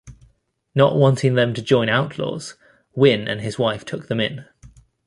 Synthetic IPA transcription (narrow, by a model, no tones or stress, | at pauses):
nə̰ʔwɒ̃ntʰɪ̃ŋðə̃mtʰəd͡ʒɔ̃ɪ̃ñaʊʔʰlɔ̰ːz̥ | wɪ̃nʔə̰̃nɪzwaɪftʰʊk̚ðə̃mɪ̃n